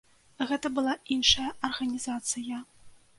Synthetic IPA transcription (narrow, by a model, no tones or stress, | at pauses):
ɣɛt̪ɐbɨlˠainʂɐjɐʔɐrɣɐnʲizat̪sɨjɐ